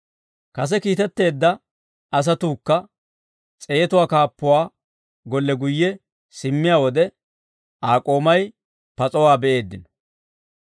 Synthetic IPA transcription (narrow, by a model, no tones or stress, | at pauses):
kɐs̬ɛkiːt̪ɛt̪ːe̞ːd̪ːɐ | ʔɐs̬ɐt̪uːkːɐ | t͡sʼe̞ːt̪ʊwaːkaːpːʊwaː | ɡɔlːɛɡʊjːɛ | sɪmːɪjaːwɔd̪ɛ | ʔaːkʼo̞ːmɐj | pɐt͡sʼɔwaːbɛʔe̞ːd̪ːɪnɔ̥